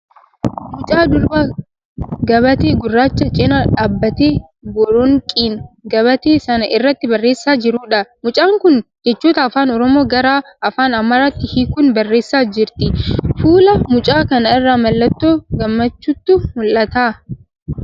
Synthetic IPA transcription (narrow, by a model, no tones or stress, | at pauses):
mʊt͡ʃʼaːd̪ʊɾba | ɡɐβɐt̪eːɡʊrːaːt͡ʃːɐt͡ʃʼɪnɐᶑaːbːɐt̪eː | ɡɔɾɔŋkʼiːnɡɐβɐt̪eːsɐnɐʔɪrːɐt̪ːɪbɐrːeːsːaːd͡ʒɪɾuːᶑɐmʊt͡ʃʼaːŋkʊnd͡ʒɛt͡ʃːuːt̪ɐːfaːnɔɾɔmoːɡɐɾaːʔɐfaːnɐmːɐɾɐt̪ːɪhikʊnbɐrːeːsːaːd͡ʒɪɾt̪ɪfuːlɐmʊt͡ʃʼaːkɐnɐɪrːaːmɐlːɐt̪ːoːɡɐmːɐt͡ʃːʊt̪ːʊmʊlʔɐt̪aː